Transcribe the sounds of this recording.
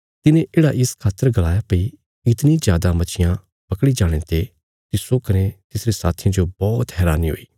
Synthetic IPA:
t̪ɪnẽʔeːɽaʔɪskʰaːt̪ːəɾɡɐlaːjapɐi | ɪt̪nizjaːd̪amɐt͡ʃʰɪjã | pɐkɽid͡ʒaːɽ̃ẽt̪e | t̪ɪsokɐɾẽt̪ɪsɾesaːt̪ʰijãd͡ʒobɔːt̪ɦɛːɾaːniɦo̰ːiː

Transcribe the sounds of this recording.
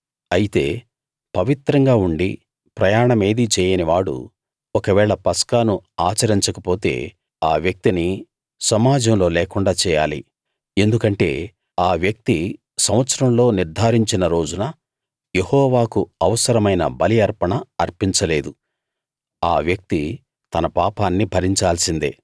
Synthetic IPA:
ɐjit̪e̞ː | pɐʋit̪ɾɐŋɡaːuɳɖi | pɾɐjaːɳɐme̞ːd̪it͡ʃɛːjɐniʋaːɽṵ | ɔkɐʋɛːɭɐpɐskaːnuaːt͡ʃɐɾiɲt͡ʃɐkɐpo̞ːt̪e̞̰ː | aːʋjɐk̚t̪ini | sɐmaːd͡ʒɐmlo̞ːlɛːkuɳɖaːt͡ʃɛːja̰ːlḭ | e̞nd̪ukɐɳʈe̞̰ː | aːʋjɐk̚t̪i | sɐmʋɐt̪sɐɾɐmlo̞ːniɾd̪ʱaːɾiɲt͡ʃinɐɾo̞ːd͡ʒunɐ | je̞hɔːʋaːkuɐʋɐsɐɾɐmɐjnɐ̰bɐliɐɾpɐɳɐːɾpiɲt͡ʃɐle̞ːd̪u | aːʋjɐk̚t̪i | t̪ɐnɐpaːpaːnːibʱɐɾiɲt͡ʃaːlsind̪ḛː

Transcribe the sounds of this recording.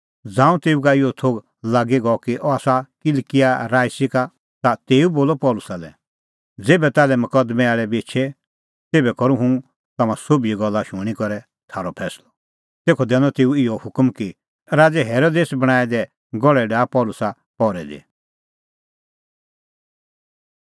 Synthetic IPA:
d͡zãːũt̪eːukaɪjɔt̪ʰoːɡ | laːɡiɡɔɔkiʔɔaːsakɪlkɪjaɾaːisɪka | t̪at̪eːuboːlɔpɔːlʊsalɛ̰ | d͡zeːbɛt̪aːlɛmɐkɐd̪mɛaːɭɛbeːt͡ʃʰɛ | t̪eːbɛkɔɾũɦũ | t̪ɐmãsobiiɡɔlːaʃʊɽ̃ikɔɾɛ | t̪ʰaːɾɔpʰɛːslɔ | t̪eːkʰɔd̪ɛ̃ːnɔt̪eːũɪɔhʊkmki | ɾaːd͡zɛɦɛːɾod̪eːsbɐɽ̃aːɛd̪ɛ | ɡɔɽɛɖaːpɔːlʊsa | pɔːɾɛd̪ḛ

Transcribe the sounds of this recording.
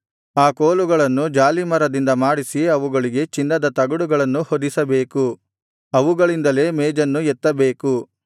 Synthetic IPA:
aːkoːluɡɐɭɐnːud͡ʒaːlimɐɾɐd̪ind̪ɐmaːɽisiɐʋuɡɐɭiɡe̞t͡ʃinːɐd̪ɐt̪ɐɡɐɽuɡɐɭɐnːuhod̪isɐbe̞ːku | ɐʋuɡɐɭind̪ɐle̞ːmeːd͡ʒɐnːujɛt̪ːɐbeːku

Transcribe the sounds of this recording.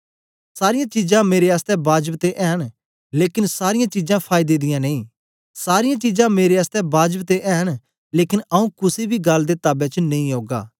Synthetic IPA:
saːɾɪjãt͡ʃiːzãmeːɾeaːst̪ɛbaːd͡ʒəpt̪eʔɛːɦən | leːkɪnsaːɾɪjãt͡ʃiːd͡ʒãpʰaːɪd̪ed̪ɪjãnẽĩː | saːɾɪjãt͡ʃiːzãmeːɾeaːst̪ɛbʱaːd͡ʒəpt̪eʔɛːɦən | leːkɪnɐũkʊsibʱiɡɐld̪et̪aːbet͡ʃnɐ̃ĩɦoːɡa̰ː

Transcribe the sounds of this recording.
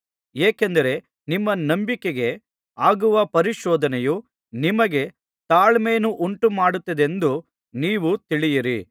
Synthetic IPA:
eːkend̪ɐɾe̞ | nimːɐnɐmbikeɡe̞ | aːɡuʋɐpɐɾiʃɔːd̪ɐnɛju | nimɐɡe̞ | t̪aːɭme̞ːnuʔuɳʈumaːɽut̪ːɐd̪e̞nd̪u | niːʋut̪iɭijiɾḭ

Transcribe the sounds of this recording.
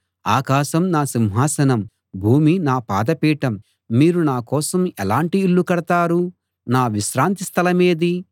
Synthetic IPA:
aːkaːʃɐmnaːsimɦaːsɐnɐm | bʱuːminaːpaːd̪ɐpiːʈɐmː | iːɾunaːkɔːsɐmɛlaːɳʈiːɭːukɐɽɐt̪aːɾu | naːʋiʃɾaːnt̪ist̪ʰɐlɐmeːd̪i

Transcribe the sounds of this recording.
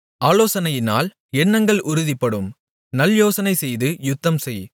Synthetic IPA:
aːloːsɐnɐjɪna̰ːl | ɛnːɐŋɡɐɭʔʊɾʊðɪpːɐɽɯm | nɐljoːsɐnɐɪsɛjðɯjʊt̪ːɐmsɛj

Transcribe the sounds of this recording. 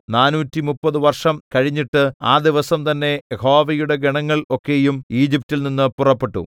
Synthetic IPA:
naːnuːtːimupːɐðuʋɐrʂɐmkɐɻiɲːiʈːɨa̰ːd̪iʋɐsɐmt̪ɐnːe̞jeho̞ːʋɐjuɽe̞ɡeɳɐŋːɐɭo̞kːe̞jumiːd͡ʑip̚tilninːɨpurɐpːe̞ʈːṵ

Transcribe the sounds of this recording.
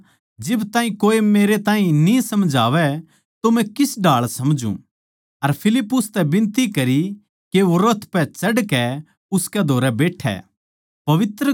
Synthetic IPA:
d͡ʒɪbt̪ãːĩkoːemeːɾet̪ãːĩnĩsɐmd͡ʒʱaːʋɛ | t̪omɛ̃kɪsɖaːɭsɐmd͡ʒṵ̃ | ɐɾpʰɪlɪpːʊst̪ɛbɪ̃nt̪ikɐɾi | keʋoɾət̪ʰpɛt͡ʃɐɖkɛ | ʊskɛd̪ʱoːɾɛbeːʈʰɛ̰ | pɐʋɪt̪ɾə

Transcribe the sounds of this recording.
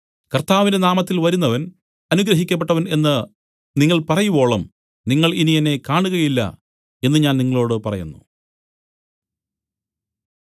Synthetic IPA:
kɐrt̪aːʋindenaːmɐt̪ːilʋɐɾunːɐʋɐn | ɐnuɡɾɐɦikʲːɐp̬ːeʈːɐʋɐne̞nːɨ | niŋːɐɭpɐrɐjubo̞ːɭɐm | niŋːɐɭinijɐne̞kaːɳuɣɐjilːɐ̰ | e̞nːɨɲaːnniŋːɐɭo̞ːɽɨpɐrɐ̰jṵnːṵ

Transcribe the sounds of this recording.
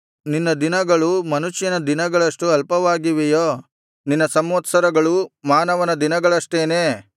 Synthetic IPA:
ninːɐd̪inɐɡɐɭumɐnuʃjɐnɐd̪inɐɡɐɭɐʂʈuɐlpɐʋaːɡiʋejoː | ninːɐsɐmʋɐt̪sɐɾɐɡɐɭumaːnɐʋɐnɐd̪inɐɡɐɭɐʂʈeːneː

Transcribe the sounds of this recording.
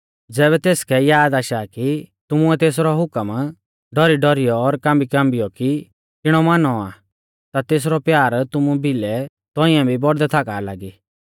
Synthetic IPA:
d͡zɛːβɛt̪eːskʰɛjaːd̪aːʃakit̪ʊmʊɛt̪eːsɾɔɦʊkəm | ɖɔɾiɖɔɾijɔːɾkãːmbikãːmbɪjɔki | ɪɽ̃ɔmanɔa̰ | t̪at̪eːs̬ɾɔpjaːɾt̪ʊmũbʱɪlɛ | t̪ɔ̃ɪ̃ãbʱibɔɽd̪ɛt̪ʰakaːlaːɡiː

